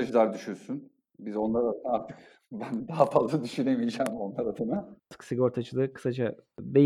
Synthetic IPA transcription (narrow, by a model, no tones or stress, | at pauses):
ad͡ʒɯlˠaɾd̪yʃyɾsyn | bizo̞nlˠaɾaɯnaaɾt̪ʰɯk | bænd̪aɦafazlˠad̪yʃyne̞mijd͡ʒæːmo̞nlˠaɾad̪ɯnaɯ̥ksiɡoɾt̪ʰat͡ʃʰɯlˠɯkʰɯ̥sad͡ʒabe